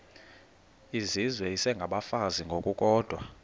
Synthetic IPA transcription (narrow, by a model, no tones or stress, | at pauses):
izizwɛisɛŋɡʱaɓafaziŋɡʱokʼukʼɔːd̥ʱwa